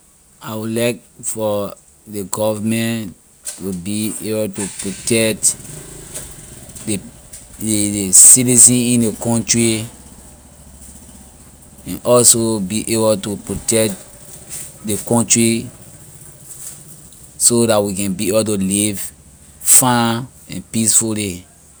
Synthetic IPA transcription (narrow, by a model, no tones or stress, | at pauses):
aɪwilaɪk̚fɔ | deɡɔvamɛ̃n | wibiebɔltupɹotɛkt | de | desitizĩnĩndekɔ̃ntɹi | ɛ̃nʔɔlsobiʔeboltupɹotɛkt | dekɔ̃ntɹi | sodatwikɛ̃nbiebltuliv | fã | ɛ̰̃npisfuli